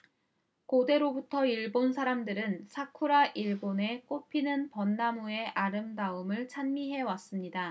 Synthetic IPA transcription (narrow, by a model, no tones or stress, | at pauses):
kode̞ɾobutʰʌiɭbonsʰaɾamdɯɾɯnsʰakʰuɾaʔiɭbone̞k͈opʰinɯnpʌnːamue̞ʔaɾɯmdaɯmɯɭt͡ɕʰanmiɦe̞was͈ɯmɲida